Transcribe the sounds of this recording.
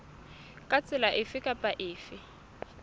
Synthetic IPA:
kʼat͡sʼɪlaʔɪfɪkʼapʼaʔɪːfɪ

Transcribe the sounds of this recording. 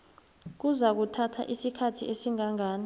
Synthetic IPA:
k̬uzak̬utʰatʰa̰ʔisikʰatʰiʔesiŋaŋaːni

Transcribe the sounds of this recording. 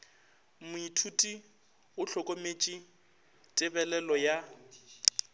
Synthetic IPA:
mʊitʰutʼi | ʊɬʰɔkʼomet͡ʃʼi | tʼɪbɛlɛlɔja

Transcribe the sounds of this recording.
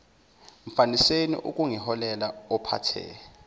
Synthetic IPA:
m̩fanisenḭʔṵk̬ʼuŋiɦɔlɛlaɔpʰa̰tʰɛ̰ː

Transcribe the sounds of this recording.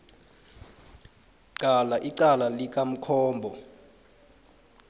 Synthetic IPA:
ǀalaʔiǀalalik̬ʼam̩kʰɔːmbʱɔ

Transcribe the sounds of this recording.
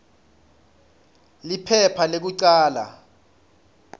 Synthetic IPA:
lipʰɛpʰalek̬uǀaːla̰

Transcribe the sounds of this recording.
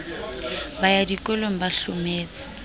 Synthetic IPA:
bajadikʼɔloŋ̩baɬʊmeːt͡sʼɪ̥

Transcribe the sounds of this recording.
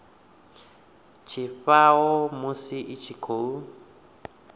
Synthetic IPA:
t͡ʃʰiɸawɔmusiʔit͡ʃʰikʰou

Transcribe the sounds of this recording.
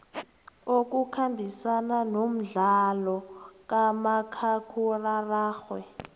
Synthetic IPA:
ok̬ukʰambʱisananom̩ɮalɔk̬ʼamakʰakʰuraraːxwɛ̰

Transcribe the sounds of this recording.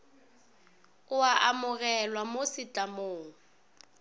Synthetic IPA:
ʊaʔamʊɣɛlwamosit͡ɬʼamoːŋ̩

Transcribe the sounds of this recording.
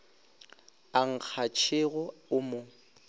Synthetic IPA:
aŋ̩k͡xʰat͡ʃʰɪɣʊʊmo

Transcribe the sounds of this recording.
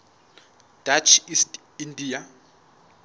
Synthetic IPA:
d̥at͡ʃʰist | indija

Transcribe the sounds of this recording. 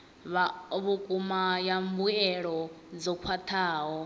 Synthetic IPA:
βaβukʼumajambuɛɺɔ | d͡zɔkʰwatʰaːɦɔ

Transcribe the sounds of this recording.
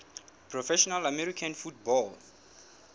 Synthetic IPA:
pʰrɔfɛʃɔnalamɛɾikʰãnfut̚bɔl

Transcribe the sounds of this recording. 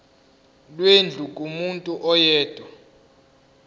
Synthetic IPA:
lwend͡ɮʱukʼumuntʼuʔɔjɛːd̥ʱwa

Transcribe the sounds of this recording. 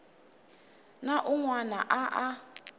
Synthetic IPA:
naʔuŋwanaʔaʔa

